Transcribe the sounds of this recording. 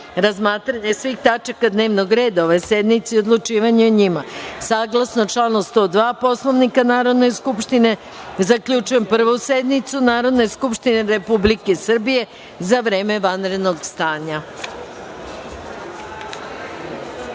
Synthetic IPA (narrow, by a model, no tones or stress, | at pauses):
ɾazmaːt̪ɾaɲe̞sʋixt̪at͡ʃakad̪ne̞ːʋnoɡɾe̞ːd̪ao̞ʋe̞se̞d̪mit̪seiod̪lˠut͡ʃiːʋaɲeoɲimasaːɡlˠasnot͡ʃlaːnost̪o̞d̪ʋaːpo̞slˠo̞ʋnikanaːɾo̞d̪ne̞skupʃt̪ine̞ | zakʎut͡ʃuje̞mpr̩ʋuse̞d̪mit̪sunaːɾo̞d̪ne̞jskupʃt̪ine̞ɾe̞publike̞sr̩bije̞ | zaʋɾe̞ːme̞ʋanɾe̞d̪no̞ɡst̪aːɲa